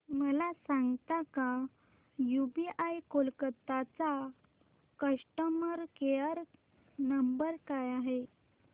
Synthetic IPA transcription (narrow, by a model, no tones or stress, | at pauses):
məlasãŋɡt̪aka | jubiʔajkolkət̪at͡sa | kəʂʈəməɾkeəɾ | nəmbəɾkajaɦe